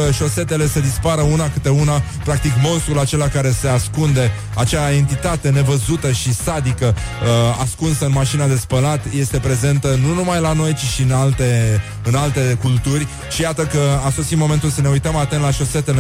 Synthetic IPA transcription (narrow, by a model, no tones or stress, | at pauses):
əʃo̞se̞t̪e̞le̞se̞d̪ispaɾəunakɨt̪e̞una | pɾak̚t̪ikmo̞nst̪ɾulat͡ʃe̞lakaɾe̞se̞askund̪e̞ | at͡ʃae̞nt̪it̪at̪e̞ne̞vəzut̪əʃisad̪ikəaskunsəɨnmaʃinad̪e̞spəlat̪je̞st̪e̞pɾe̞ze̞nt̪ənunumajlano̞jt͡ʃiʃiɨnalt̪e | ɨnalt̪e̞kult̪urʲ | ʃijat̪əkəaso̞simo̞me̞nt̪ulsəne̞ujt̪əmat̪ent̪laʃo̞se̞t̪ele